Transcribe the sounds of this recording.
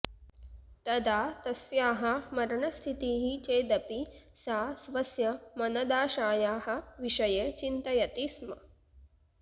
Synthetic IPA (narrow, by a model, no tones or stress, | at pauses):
t̪ɐd̪aːt̪ɐsjaːɦɐmɐɾɐɳɐst̪ʰit̪iːɦit͡ʃeːd̪ɐpisaːsʋɐsjɐmɐnɐd̪aːʃaːjaːɦɐ̆ʋiʃɐjet͡ʃint̪ɐjɐt̪ismɐ̰